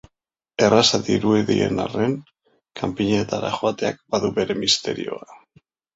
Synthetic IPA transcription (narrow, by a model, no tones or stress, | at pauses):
e̞rasaðiɾueðiḛnare̞ŋ | kʰampiɲet̪aɾa̰χoat̪e̞ak̚baðuβe̞ɾe̞mist̪e̞ɾio̞a